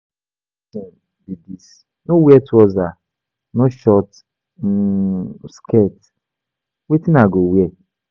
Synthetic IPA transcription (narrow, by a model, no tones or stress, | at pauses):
didis | nowjɛtɔza | noʃɔt̩ | skɛt | wetinaɡowjɛ